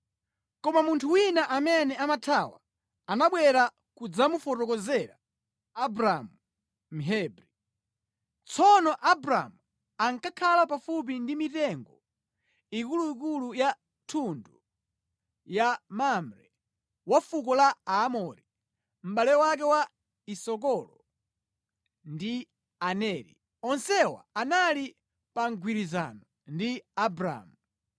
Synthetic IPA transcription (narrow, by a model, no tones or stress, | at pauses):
kɔmamuntʰuwinaʔamɛnɛamatʰawa̰ | anaɓwɛɾa | kud͡zamufɔtɔkɔzɛɾa | abɾamu | m̩ɦɛːbɾi | t͡sɔnɔʔabɾa̰mu | aŋkakʰalapafup̬indimitɛŋɡɔ | ikuluikuluja | tʰundu | jamamɾɛ | wafukɔlaaːmɔɾi | m̩ɓalɛwak̬ɛwa | isɔk̬ɔlɔ | ndi | anɛːɾḭ | ɔnsɛwa̰anali | paŋɡʱwiɾiza̰nɔ | ndiabɾa̰ːmu